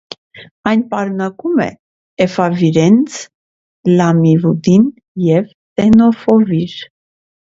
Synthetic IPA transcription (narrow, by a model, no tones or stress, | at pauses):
ɑjnpɑɾnɑkumɛ̰ | ɛfɑviɾɛnt͡sʰ | lɑmivud̪in | jɛv | t̪ɛnɔfɔviɾ